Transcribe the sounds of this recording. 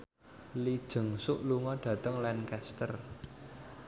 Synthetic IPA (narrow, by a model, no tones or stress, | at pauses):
lid̥ʒ̥ə̤ŋsʊʔluŋɔɖ̥ä̤t̪əŋlɛnkɛst̪ər